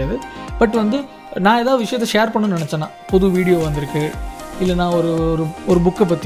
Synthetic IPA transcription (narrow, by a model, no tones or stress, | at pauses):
ðɯb̥ɐʈːʋɐnd̪ɯ | nãːeðaːðɯʋɪʂɐjɐt̪ːɛʂeːɾpɐɳːɯnnɪnɛt͡ʃːɐnːãːpɔðuʋiːɽɪjoːʋɐnd̪ɪɾɯkːɯɪlːɛnːãːɔɾɯɾɯɔɾɯbʊkːɛp̬ːɐt̪ːɪ